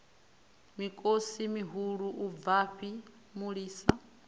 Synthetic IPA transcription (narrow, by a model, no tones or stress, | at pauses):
mikʼosimiɦuɺuʔuvaɸi | muɺiːsa